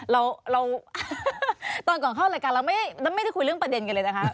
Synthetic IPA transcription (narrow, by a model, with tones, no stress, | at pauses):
ɾa˧wɾa˧w | t̪ɔː˧˩nkɔ˨˩ŋkʰaː˥˩wla˧˩kaː˧nɾa˧wma˥˩jn˧˥˩m˥˩jjkʰu˧ɾɯ˥˩ə˨ŋpɾa˧de˧nka˧nlɤː˧jna˦˩kʰa˦˩˥ʔ